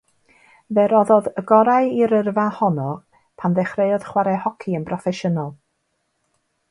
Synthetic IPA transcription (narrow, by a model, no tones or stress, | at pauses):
vɛɾɔðɔðəɡɔɾaɨiɾərvahɔnɔ | pʰanðɛχreɨɔð̥χwaɾɛhɔkʰiənpʰrɔfɛʃənɔlˠ